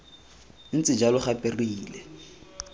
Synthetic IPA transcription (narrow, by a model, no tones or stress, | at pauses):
n̩t͡sʼɪd͡ʒalʊχapʼɪriːlɛ